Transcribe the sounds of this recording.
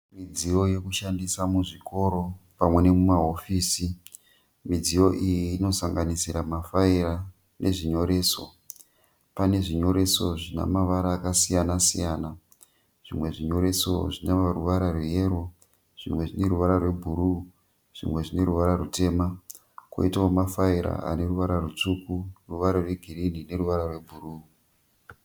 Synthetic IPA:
mid͡zijo̞je̞kuʃandisamuʐiko̞ɾo̞pamwe̞ne̞mumaɦo̞fiːsi | mid͡zijo̞ʔijiːno̞saŋɡanisiɾamafaiɾa | nʔe̞̰ʐiɲo̞ɾe̞ːso̞̰ | pane̞ʐiɲo̞ɾe̞so̞ʐina̰maʋaɾaːkasijanasijaːna | ʐ̥imwe̞ʐiɲo̞ɾe̞so̞ʐinaʋaruʋaɾarwejeːɾo | ʐ̥ḭmwe̞ʐine̞ɾuʋaɾarwe̞bʱuɾu | ʐ̥imwe̞ʐine̞ɾuʋaɾarute̞ːma | kwo̰itaomafaiɾa̰a̰ne̞ruʋaɾarut͡ʂukuruʋaɾarwe̞ɡʱirinine̞ruʋaɾarwe̞bʱuruː

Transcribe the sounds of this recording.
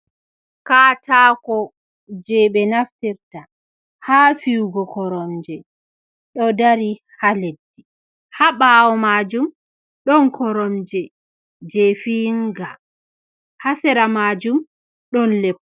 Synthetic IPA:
katakɔ | d͡ʒɛɓɛnaftiɾta | haːfiwɡɔkɔɾɔmd͡ʒɛ | ɗɔdaɾi | haledːi | haɓawɔmaːd͡ʒum | ɗɔnkɔɾɔmd͡ʒɛ | d͡ʒɛfiŋɡa | hasɛɾamad͡ʒum | ɗɔnlɛkː

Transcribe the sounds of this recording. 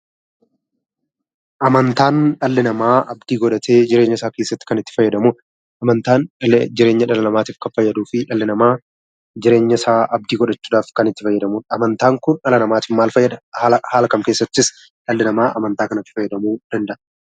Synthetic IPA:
ʔɐmɐnt̪aːnᶑɐlːɪnɐmaːʔɐbd̪iːɡɔᶑɐt̪ʰeːd͡ʒɪɾe̞ːɲːɐsaːke̞ːsːɐt̪ːɪ̥kɐnɪt̪ːɪ̥fɐjːɐd̪ɐmuː | ɐmɐnt̪aːnd͡ʒɪɾe̞ːɲːɐᶑɐlɐnɐmaːt̪iːfkɐfɐjːɐd̪uːfɪᶑɐlːɪnɐmaː | d͡ʒɪɾe̞ːɲːɐsaːʔɐb̚d̪iːɡɔᶑɐt͡ʃːuːd̪aːfkɐnɪt̪ːɪfɐjːɐd̪ɐmuːɐmɐnt̪aːŋkʊnᶑɐlɐnɐmaːt̪iːfmaːlfɐjːɐd̪ɐhhaːlɐkɐmke̞ːsːɐt̪ːɪs | ᶑɐlːɪnɐmaːʔɐmɐnt̪aːkɐnɐt̪ːɪ̥fɐjːɐd̪ɐmuːd̪̥ɐnd̪ɐʔɐ

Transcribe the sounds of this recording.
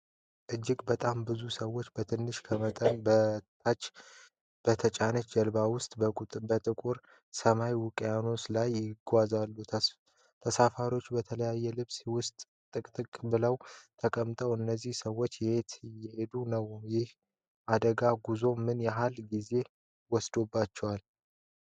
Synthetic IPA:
ʔɨd͡ʒːɪkʼbət̪ʼambɨzusəwːo̞t͡ʃːbət̪ʰɨnːɨʃkʰəmət̪ʼənbət̪ʰat͡ʃː | b̥ət̪ʰət͡ʃʼanəd͡ʒəlbawʊst̪ʼbəbət̪ʼɨkʼuɾ | səmajwʊkʼjano̞slajːɪɡʷazalːut̪ʰə | t̪ʰəsafaɾo̞t͡ʃːbət̪ʰələjajːɛlɨβswʊst̪ʼ | t̪ʼɨkʼt̪ʼɨkʼbɨləwt̪ʰəkʼəmt̪ʼəwɨnːəzːihsəwːo̞t͡ʃːjɛhe̞t̪jɛhe̞d̪unəwjɪh | ʔad̪əɡaɡuzo̞mɨnjaɦalɡize̞ | wɔsd̪obːat͡ʃːɛwal

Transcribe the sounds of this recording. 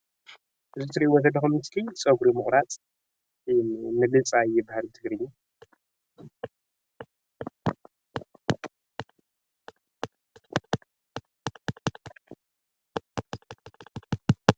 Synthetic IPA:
ʔɨzɨt̪ʰɨɾiwɔt̪ʰɐdlːɐxumɨskʰisʼɐɡɾimɨxʼɾat͡sʼ | mɨlɨt͡sʼajɛbahalt̪ʰɨɡɾɨɲːu

